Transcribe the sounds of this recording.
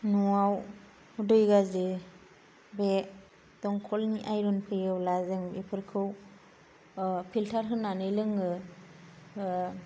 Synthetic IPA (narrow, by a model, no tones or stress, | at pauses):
nuaw | dɯjɡazi | be | d̥ɔŋkʰɔlniʔajɾunpʰɯjɯwlazɯŋipʰɯɾkʰɯw | pʰiltʰaɾɦɯnanɯlɯŋɯ